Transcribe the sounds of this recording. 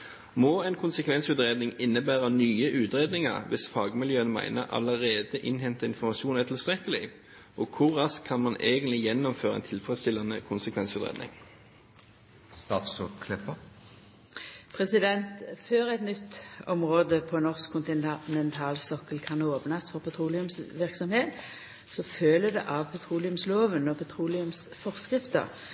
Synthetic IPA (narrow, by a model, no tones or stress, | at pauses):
mɔːɛnkʰʊnsəkʰʋɛnsʉt̪ʁeːd̪nɪŋɪnːəbæːʁənyːəʔʉːt̪ɾeːd̪nɪŋɑ̰ʁʋɪsfɑːɡmɪljøːənmæ̰ɪnəʔɑ̰ləʁeːd̪əʔɪnɦɛnt̪əɪnfɔʁmɑʃuːnæt̪ʰɪlst̪ʁɛkːəlɪ | ʔɔkʰʊʁɑskʰːɑnmɑneːɡənt̪lɪjɛnːɔmføːʁəɛ̰nt̪ʰɪlfʁɛst̪ɪlːɑnəkʰʊnsəkʰʋɛnsʉt̪ʁḛːd̪nɪ̰ŋ | st̪ɑːt̪sɔt̪kʰlɛpə | pʰʁɛsɪd̪ɛnt̪føːʁɛɪt̪nʏt̪ːɔmʁoːd̪əpʰɔnɔʁskʰːʊnt̪ɪnɛnt̪ʰɑːlsɔkəlkʰɑnoːpnɑsfɔʁpʰɑt̪ʰʁuːlɪʉmsʋɪʁksɔmheːt̪ | sɔføːləd̪ɛʔɑʋpʰɑt̪ʰʁuːlɪʉmsloːʋənɔpʰɑt̪ʰʁuːlɪʉms | fɔʁskʁɪft̪ə̰ʁ